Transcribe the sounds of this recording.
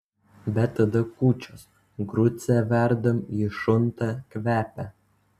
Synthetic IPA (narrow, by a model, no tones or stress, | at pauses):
bʲɛt̪ːɐd̪ɐkuːt͡ʃʲos | ɡɾʊt̪sʲɛʋʲæɾd̪ɐmiːʃʊnt̪ɑkʲʋʲæːpʲæ